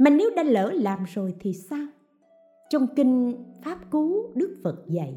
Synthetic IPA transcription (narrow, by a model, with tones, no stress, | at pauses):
ma˨˩ne˨˦wɗaː˧˦ləː˧˩˦laː˨˩mzo˨˩jt̪ʰi˨˩saː˧w | t͡ɕɔ˧wŋ͡mki˧ŋ̟faː˦˥p̚ku˨˦ɗɨ˦˥ək̚fə˨˩t̚zə̰˧˨j